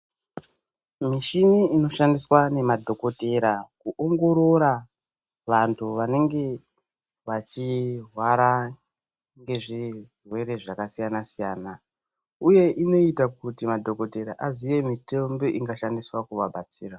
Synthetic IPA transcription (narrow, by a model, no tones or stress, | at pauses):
miʃiniino̞ʃandiswane̞madʱo̞ko̞te̞ɾakuʔoŋɡo̞ɾo̞ɾa | ʋantʰuʋane̞ŋɡe̞ | ʋat͡ʃirwaɾa | ŋɡe̞ʐi | rwe̞ɾe̞ʐakasijanasijaːna | uje̞ʔino̞itakutimadʱo̞ko̞te̞ɾa̰ʔazije̞mitembo̞ʔiŋɡaʃandiswakuʋaɓat͡siːra